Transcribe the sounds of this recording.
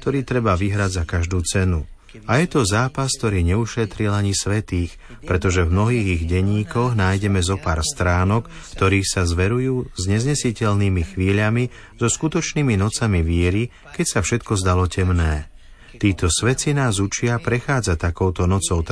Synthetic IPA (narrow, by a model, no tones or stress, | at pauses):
k̚t̪ɔɾiːt̪ɾɛbaʋiɦɾaɟzakaʒd̪uːt͡sɛnu | ajɛt̪ɔzaːpask̚t̪ɔɾiːɲɛuʃɛt̪ɾilaɲisʋɛt̪iːx | pɾɛt̪ɔʒɛvmnɔɦiːɣiɣɟɛɲiːkɔɣnaːjɟɛmɛzɔpa̰ːɾst̪ɾaːnɔk | ft̪ɔɾiːxsazʋɛɾujuːzɲɛzɲɛsicɛʎniːmixʋiːʎami | zɔskut̪ɔt͡ʃniːminɔt͡samiʋɪɛɾi | kɛcsafʃɛt̪kɔzd̪alɔcɛmnɛː | t̪iːt̪ɔsʋɛt͡sinaːzut͡ʃɪapɾɛxaːd͡zat̪akɔʊt̪ɔnɔt͡sɔʊt̪